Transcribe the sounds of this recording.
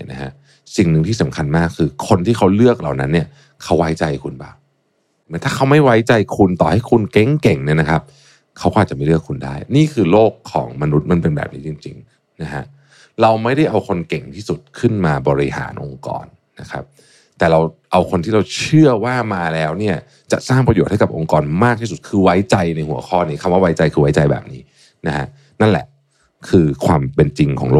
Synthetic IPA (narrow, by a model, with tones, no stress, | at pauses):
na̰˦˥kʰa̰˦˥ʔ | si˨˩ŋnɯ˨˩ŋt̪ʰiː˥˩sa˩˦mkʰa˧nmaː˥˩kʰːɯː˧kʰo˧nt̪ʰiː˥˩kʰa˦˥wlɯ˥˩ək̚la˨˩wna˦nːi˥˩ɐ | kʰa˦˥wa˦˥jt͡ɕa˧jkʰu˧nba̰ː˨˩w | t̪ʰaː˥˩kʰa˦˥wma˥˩jwa˦˥jt͡ɕa˧jkʰu˧nt̪ɔː˨˩ha˥˩jkʰu˧nkɛ˦˥ŋkɛ˨˩ŋni˦˥˩ɐna˦˥kʰa˦˥p̚ | kʰa˦˥wkɔ˦˥a˨˩t̚t͡ɕa˨˩ma˥˩jlɯ˥˩əkʰːu˧nda̰ː˥˩jniː˥˩kʰɯː˧loː˥˩kʰːɔ̰ː˩˦ŋma˧nu˦˥t̪̚ma˧npe˧nbɛ̰ː˨˩p̚niː˦˥t͡ɕi˧ŋt͡ɕḭ˧ŋ | na˦˥kʰa̰˦˥ʔ | ɾa˧wma˥˩jɾa˥˩jʔa˧wkʰo˧nke˨˩ŋt̪ʰiː˥˩su˨˩t̪̚kʰɯ˥˩nmaː˧bɔː˧ɾi˦˧ha̰ː˩˦nʔo˧ŋkɔ̰ː˧nːa˦˥kʰa˦˥p̚ | t̪ɛː˨˩ɾa˧wʔa˧wkʰo˧nt̪ʰiː˥˩ɾa˧wt͡ɕʰɯ˥˩ɐwaː˥˩maː˧lɛː˦˥wni˥˩ɐ | t͡ɕa̰˨˩ʔsaː˥˩ŋpɾjo˨˩t̪̚ha˥˩jka˨˩p̚ʔo˧ŋkɔː˧nmaː˥˩k̚t̪i˥˩su˨˩t̪̚kʰɯː˧wa˦˥jt͡ɕa˧jna˧jhu˨˩˦ɐkʰɔː˥˩niː˦˥kʰa˧mwaː˥˩wa˦˥jt͡ɕa˧jkʰɯː˧wa˦˥jt͡ɕa˧jbɛ̰ː˨˩p̚niː˦˥ | na˦˥kʰa̰˦˥ | na˥˩nlɛ̰˨˩ʔ | kʰɯː˧kʰwaː˧mpe˧nt͡ɕi˧ŋkʰɔ̰ː˩˦ŋloː˥˩